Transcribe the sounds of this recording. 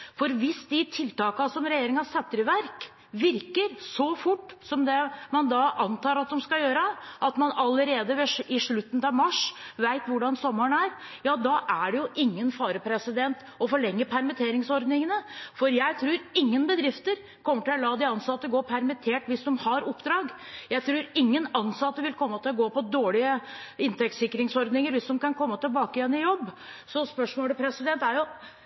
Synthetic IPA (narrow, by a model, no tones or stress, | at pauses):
fɔɾʋɪsd̪ɪt̪ʰɪlt̪ɑːkɑsɔmɾɛjeːɾɪŋɑsɛt̪ːɾəʋæɾk | ʋɪɾkəɾsɔfʊʈːsɔmd̪ɛmɑnd̪ɑʔɑnt̪ʰɑːɾɑt̪̚d̪ɔmskɑjøːɾəʔɑt̪mɑnɑləɾeːd̪əʋɛɪʂɭʉt̪ːən̩ɑʋmɑʂʋæɪt̪ʋʊɖɑnsɔmːəɳæɾ | jɑːd̪ɑʔæɖɛjʊʔɪŋːənfɑːɾəpʰɾɛsɪd̪ɛnt̪ | ɔfɔɭɛŋːəpʰæɾmɪt̪ʰeːɾɪŋsɔɾd̪nɪŋənəfɔɾjæɪt̪ʰɾʉːɾɪŋːənbəd̪ɾɪft̪əɾ | kʰɔmːəʈɪlɔlɑːd̪ɪɑnsɑt̪ːəɡoːpʰæɾmɪt̪ʰeːʈʋɪsd̪ɔmhɑɾɔpːd̪ɾɑːɡ | jæɪt̪ʰɾʉːɾɪŋːənɑnːsɑt̪ːəʋɪlkʰɔmːət̪ʰɪlɔɡoːpɔd̪oːɭɪəɪnt̪ɛk̚t̪sɪkːɾɪŋsɔɾd̪nɪŋəɾʋɪsd̪ɔmkɑnkʰɔmːət̪ɪlbɑːkəjɛnːɪjɔbːsɔspœʂmoːləpʰɾɛsɪd̪ɛnt̪æɾjʊ